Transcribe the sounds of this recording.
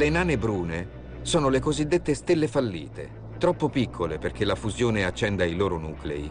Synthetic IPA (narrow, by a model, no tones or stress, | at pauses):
lenaːnebɾuːne | soːnolekozid̪ːet̪ːest̪elːefalːḭːt̪ḛ | t̪ɾɔpːopikʰːoleperk̟elafuzjoːneat͡ʃːɛnd̪ailoːɾonuːklḛḭ